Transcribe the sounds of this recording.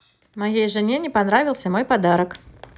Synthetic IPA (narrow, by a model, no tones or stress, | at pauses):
mɐjejʐɨnʲenʲɪpɐnɾavʲɪlˠsʲəmo̞jpɐd̪aɾək